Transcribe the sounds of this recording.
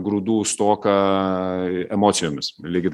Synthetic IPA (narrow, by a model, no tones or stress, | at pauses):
ɡɾuːd̪uːst̪oːkɐ | ɛmoːsʲɪjoːmʲɪslʲiːɡʲɪt̪